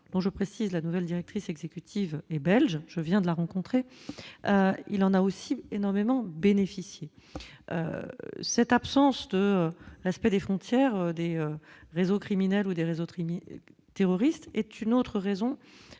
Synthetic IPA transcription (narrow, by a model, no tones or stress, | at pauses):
d̪̥ɔ̃ʒəpχesizlanuvɛld̪iʁɛk̚t̪χisɛɡzekʲyt̪ʰivɛbɛlʒʒəvjɛ̃d̪əlaʁɑ̃kɔ̃t̪χeʔøḭlɑ̃naosienɔʁmemɑ̃benefisje | ø̰sɛt̪apsɑ̃sd̪əøʁɛspɛd̪efχɔ̃t̪jɛʁød̪eøʁezokχiminɛlud̪eʁezoi | t̪eʁɔʁist̪ɛt̪ynot̪χəʁezɔ̃